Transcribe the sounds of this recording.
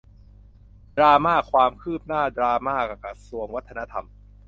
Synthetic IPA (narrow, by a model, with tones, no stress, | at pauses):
dɾaː˧maː˥˩kʰwaː˧mkʰɯː˥˩p̚naː˥˩d̪ɾaː˧maː˥˩ka˨˩ka˨˩su˧əŋwa˦˥t̪ʰːa˧na˦˥t̪ʰa̰˧m